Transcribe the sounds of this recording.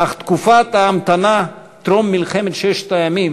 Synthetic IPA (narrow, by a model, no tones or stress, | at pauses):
aχt̪kufat̪aamt̪ana | t̪ɾomːilχemet̪ʃɛʃt̪ajamim